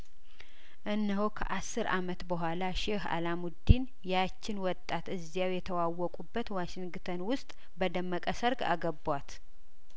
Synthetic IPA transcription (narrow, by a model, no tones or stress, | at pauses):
ʔɨnːəɦokʰə̰ʔasːɨɾamət̪bəɦʷalaʃɛha̰lamud̪ːin | jat͡ʃːɪnwɔt̪ʼːat̪ɨzːijawjɛt̪ʰəwawːɔkʼubːət̪waʃɪŋɡt̪ʰənwʊst̪ʼ | bəd̪əmːəkʼəsəɾɡa̰ɡəbwat̪